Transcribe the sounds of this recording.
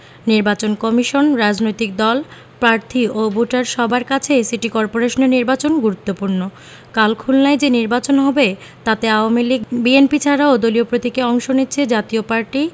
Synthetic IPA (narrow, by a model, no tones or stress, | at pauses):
niɾbat͡ɕonkɔmiʃonɾad͡ʑnojt̪ik̚d̪ɔl | pɾaɾt̪ʰiʔoboʈaɾʃɔbʱaɾkat͡ɕʰesiʈikɔɾpoɾeʃoneɾniɾbat͡ɕonɡuɾut̪ːopuɾno | kalkʰulnaed͡ʑeniɾbat͡ɕonɦɔbe | t̪at̪eaoamiliɡbienpit͡ɕʰaɾaod̪oliopɾot̪ikeɔŋʃonitːɕʰed͡ʑat̪iopaɾʈi